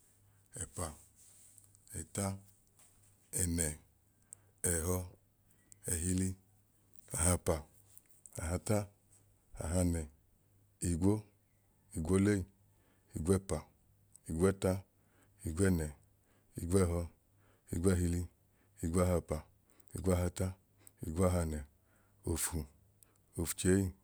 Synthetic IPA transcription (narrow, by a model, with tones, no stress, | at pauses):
ɛ˨pa˨ | ɛ˨ta˦ | ɛ˨nɛ˨ | ɛ˨ɦɔ˧ | ɛ˨ɦi˧li˧ | a˨ɦa˧˨pa˨ | a˨ɦa˧ta˦ | a̰˨ɦa˧nɛ˨ | i˨ɡʷo˦ | i˨ɡʷo˦le˦i˨ | i˨ɡʷɛ˦˨pa˨ | i˨ɡʷɛ˦˨ta˦ | i˨ɡʷɛ˦˨nɛ˨ | i˨ɡʷɛ˦˨ɦɔ˧ | i˨ɡʷɛ˦˧ɦi˧li˧ | i˨ɡʷo˦a˦˨ɦa˧pa˨ | ḭ˨ɡʷo˦a˦ɦa˧ta˦ | i˨ɡʷo˦a˦ɦa˧nɛ˨ | o˨fu˨ | o˨fu̥˨t͡ʃe˨˦i˦˨